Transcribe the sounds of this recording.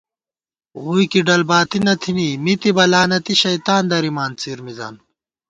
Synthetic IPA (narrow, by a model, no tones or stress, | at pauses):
ɣuːjkiɖɐlbaːt̪inɐt̪ʰinimit̪ibɐlaːnɐt̪iɕɐjt̪aːnd̪ɐɾimaːnt͡siːɾmiza̰ːn